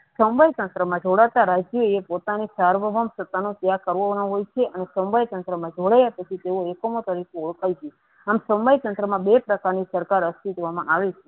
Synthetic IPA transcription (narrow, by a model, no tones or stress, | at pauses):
sə̃mbajt̪ənt̪ɾəmãd͡ʒoɽat̪aɾad͡ʒjoepot̪anisaɾʋəʋʱəmsət̪ːanõt̪jakəɾʋoʋanõɦojt͡ʃʰeʔənesə̃mbʱajt̪ə̃nt̪ɾəmãd͡ʒoɽajapət͡ʃʰit̪eoekomot̪əɾikʰeuɭkajt͡ʃʰe | amsə̃mbajt̪ə̃nt̪ɾəmãbepɾəkaɾnisəɾkaɾəst̪it̪ʋamã̰ʔaʋet͡ʃʰe